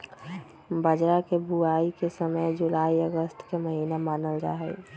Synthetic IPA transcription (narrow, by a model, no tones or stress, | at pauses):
bəd͡ʒɾakebʱuaːikesəməjd͡ʒʊlaːiəɡəst̪keməɦinamaːnəlɾa̰ːɦɛ̰ː